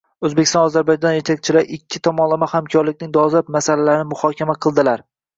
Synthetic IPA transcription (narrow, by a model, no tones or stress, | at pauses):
ɵzbekʲɪst̪ɒ̃nɒzaɾbajd͡ʒɒnjet̪ʰak̚ʲt͡ʃʰɪlaɾɪkʲʰːɪt̪ʰɒmɒnlˠamahamkʰɒɾlɪkʲnɪŋd̪ɒzlap̚masalalaɾɪnɪmʊhɒkʲʰamaqʰɨlˠd̪ɪlaɾ